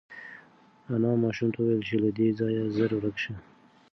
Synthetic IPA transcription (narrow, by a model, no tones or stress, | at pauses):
anɑmɑʃumt̪ʰawajlt͡ʃelad̪ed͡zɑjazəɾwɾakʃə